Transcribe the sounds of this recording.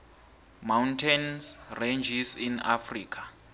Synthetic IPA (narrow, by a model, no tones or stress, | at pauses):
mawntʰɛnsrend͡ʒisina̰friːkʰḁ